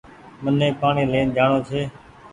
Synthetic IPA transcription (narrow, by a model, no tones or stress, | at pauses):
mənẽːpaːɳiːlẽːnd͡ʒaːɳõːt͡ʃʰeː